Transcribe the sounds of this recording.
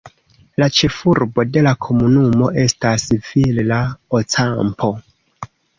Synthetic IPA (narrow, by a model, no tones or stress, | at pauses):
lat͡ʃe̞fuɾbo̞de̞lakʰo̞munumo̞ʔe̞stasvillaot͡sampʰo̞